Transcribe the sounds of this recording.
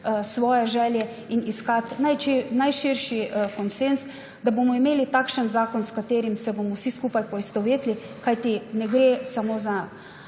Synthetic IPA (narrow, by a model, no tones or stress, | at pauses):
sʋɔːjɛʒɛːljɛ | iniskat̪najnajʃiɾʃikɔnsens | d̪abomɔimeːlit̪akʃənzaːkɔnskat̪eːɾimsɛbomɔwsiskuːpajpɔist̪ɔʋeːt̪li | kajt̪inɛɡɾeːsamoza